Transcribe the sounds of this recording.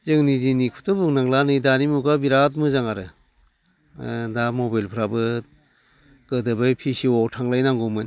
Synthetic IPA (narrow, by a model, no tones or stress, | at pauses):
zɯŋnidinikʰutɔbɯŋnaŋlanɯjdanimukabiɾat̚mɯzaŋaɾɯ | damɔbajlpʰɾabɯ | ɡ̥ɯdɯbɯjpʰisiɔtʰaŋlajnaŋɡɔmɯn